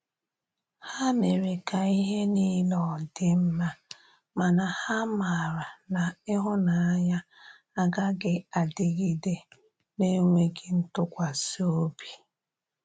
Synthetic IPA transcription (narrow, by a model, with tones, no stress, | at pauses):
ha˦me˨ɾe˨ka˨i˦ɦe˦niː˦lɔ˨dɪ˦m̩˦ma˦ | ma˨na˨ha˦ma˨ɾa˨na˨ɪ˦ɦʊ˦na˨a˦ɲa˦ | a˦ɡa˦ɡɪ˦a˨dɪ˦ɡi˦de˦ | ne˦ŋʷe˦ɡɪ˨n̩˦tʊ˦kʷa˨so˦bi̥˨